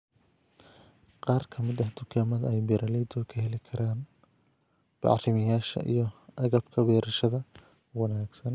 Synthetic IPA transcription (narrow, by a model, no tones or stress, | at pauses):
qɑːrkʰɐmɪd̪ɐhd̪ʊkʰaːmɐðɐɛjbɛɾʔɐlɛjd̪ʊkʰɐhɛlɪkʰɐɾaːn | b̥ɑ̰ʕrɪmɪjaːʃɐ̰ʔḭjɞʔɐɣɐbkʰɐbɛːɾɐʃɐðɐ | wɑnaːɡsɐn